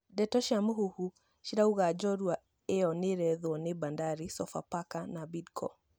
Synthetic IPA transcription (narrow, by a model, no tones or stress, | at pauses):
dɛtɔʃamuɦuhu | ʃiɾauɣad͡ʒɔɾua | eɔneɾɛðɔnebandaɾisɔfa̰pakanabidkʰɔ̰